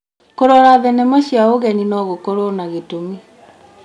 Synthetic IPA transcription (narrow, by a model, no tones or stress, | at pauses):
koɾɔɾaðɛnɛmaɕiaoɣɛninɔɣokoɾonaɣetomi